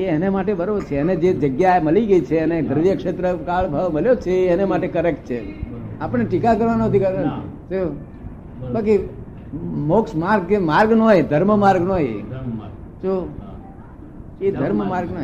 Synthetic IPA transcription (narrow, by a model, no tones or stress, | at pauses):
eenemaʈebəɾoʋt͡ʃʰeəned͡ʒed͡ʒəɡjaeməliɡəit͡ʃʰeəned̪əɾʋjəkʂet̪ɾəkaɭbʱaʋməljot͡ʃʰeːnemaʈekəɾek̚ʈ̚t͡ʃʰeapəɳ̃eʈikakəɾʋanõɦət̪ʰikəɾand͡ʒo | baki | moksmaɾɡ̚emaɾɡnoed̪ʱəɾməmaɾɡnoḛ | d͡ʒo | ed̪ʱəɾmmaɾɡno